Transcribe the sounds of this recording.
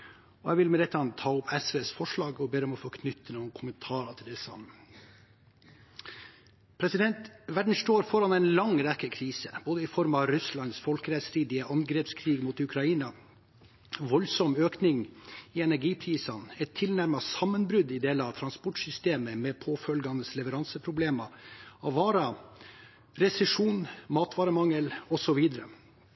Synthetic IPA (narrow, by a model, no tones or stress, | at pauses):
ɔæʋɪlmɛlɛt̪ːɑnt̪ʰɑːʊpʰɛsʋeːsfɔʂɭɑːɡɔbeːɾəɔmɔfoːkʰnʏt̪ʰːənuːənkʰʊmənt̪ʰɑːɾɑt̪ʰɪld̪ɛsɑ̰mə | pʰɾɛsɪd̪ɛnt̪ʋæɖɳ̩ʂʈoːɾfɔɾɑnɛɪnlɑŋɾɛkːəkʰɾiːsə̰b̥oːd̪əɪfɔɾmɑɾʉslɑnsfɔlkəɾɛt̪sɾiːd̪ɪəʔɑŋɡɾɛpskʰɾiːɡmuːt̪ʉkʰɾɑiːnɑ | ʋɔlsɔmøːknɪŋɪɛnæɾɡiːpʰɾiːsɑnɛt̪ʰːɪlnæɾmɑsɑmːənbɾʉd̪ɪd̪eːlɑt̪ʰɾɑnspɔʈʂʏst̪eːməmɛpʰoːfœlɡɑnəslɛʋəɾɑnsəpʰɾʊbleːmɑɑʋɑːɾɑ | ɾɛsɛʂuːnmɑːt̪ʋɑːɾəmɑŋːəlɔsɔʋiːd̪əɾə̰